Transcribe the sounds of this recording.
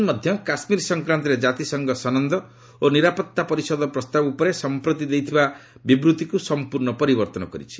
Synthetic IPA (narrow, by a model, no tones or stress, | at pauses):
mɔd̪ʱjɔkasmiɾsɔŋkɾant̪̬ɔɾed͡ʒat̪isɔŋɡɔsɔnɔnd̪ɔ | oniɾapɔt̪ːapɔɾisɔd̪ɔpɾɔst̪abupɔɾesɔmpɾɔt̪id̪ejt̪ʰiba | bibɾut̪ikusɔmpuɾɳɔpɔɾibɔɾt̪ɔnɔkɔɾḭt͡ʃʰi̥